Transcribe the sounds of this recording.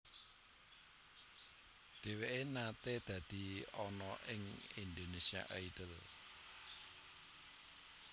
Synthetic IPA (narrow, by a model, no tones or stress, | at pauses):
ɖ̪̥e̤weʔenat̪ed̪̥ä̤d̪̥i̤ɔnɔʔɪŋind̪onesia̰ʔaid̥əl